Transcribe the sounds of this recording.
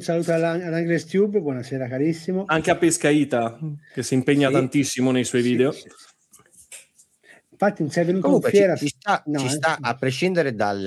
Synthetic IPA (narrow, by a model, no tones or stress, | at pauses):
unsaluːt̪oaad̪aŋɡlest̪jubbwɔnaseːɾakaɾisːimoaŋk̟eapːeskaiːt̪ak̟esːimpeɲːat̪ant̪isːimonejsɔjviːd̪eo | iɱfat̪ːinnsɛjvːenuːkouŋkwefjt͡ʃɛːɾat͡ʃist̪anɔt͡ʃist̪aʔapːɾeʃind̪eɾed̪al